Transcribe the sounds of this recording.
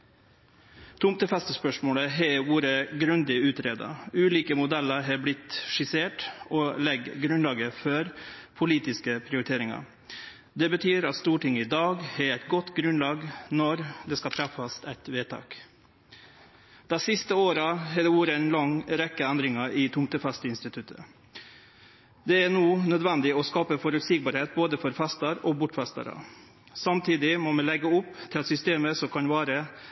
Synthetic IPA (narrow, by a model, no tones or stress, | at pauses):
t̪ʰʊmt̪əfɛst̪əspœʂmoːləɦɛʋuːɾəɡɾʉnd̪ɪʉːt̪ɾeːd̪ɑ̰ʉːliːkəmʊd̪æləɾɦɛblɪt̪ʂɪseːʈɔːlɛɡɡɾʉnlɑːɡəfɔɾpʰʊliːt̪ɪskəpʰɾɪʊɾɪt̪ʰeːɾɪŋɑ̰ɾ | d̪ɛbət̪ʰyːɾɑt̪st̪uːʈɪŋːəɪd̪ɑːɡhɛɾæɪt̪ɡɔt̪ːɡɾʉnlɑːɡnɔɾd̪ɛːskɑt̪ʰɾɑfːɑst̪æɪt̪ʋeːt̪ʰɑ̰ːk | d̪̥æɪsɪst̪əoːɾɑɦɛːd̪ɛuːɾəæɪnlɑŋɾɛkːəænd̪ɾɪŋɑɪt̪ʰʊŋt̪əfɛst̪əɪnst̪ɪt̪ʰʉt̪ʰə̰ | d̪ɛænoːnœd̪ʋɛnd̪ɪɔskɑːpəfɔɾʉt̪siːɡ̚bɑːɾheːt̪̚boːd̪əfɔɾfɛst̪əɾoːbʊʈfɛst̪ə̰ɾə̰ | sɑmt̪ʰiːd̪ɪmɔmɛlɛɡːəʊpːt̪ʰɪlɛt̪sʏst̪eːməsɔmkʰɑnʋæːɾə